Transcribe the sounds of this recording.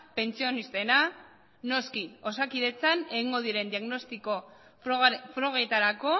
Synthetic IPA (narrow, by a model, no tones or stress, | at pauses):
pe̞nt͡sio̞nist̪ena | no̞skio̞sakiðe̞t͡sane̞ɣiŋɡo̞ðiɾe̞nd̪iaɣno̞st̪iko̞ | fɾo̞ɣet̪aɾako̞